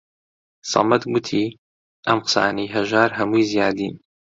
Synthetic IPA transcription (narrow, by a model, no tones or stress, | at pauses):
sɑ̰mɐt̪ɡʊt̪ʰiː | ʔɐmqɨ̥sa̰ːnɐjɦɐʒaːɾɦɐmujzijaːd̪iːn